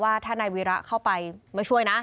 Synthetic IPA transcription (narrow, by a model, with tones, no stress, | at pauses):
waː˥˩t̪ʰaː˥˩na˧jwi˧˥ɾa˦˥kʰa˥˩wpa˧jmaː˥˩t͡ɕʰu˥˩əjna˦˥